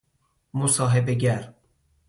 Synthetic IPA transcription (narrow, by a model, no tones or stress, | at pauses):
mosɑːɦebeɡæɾ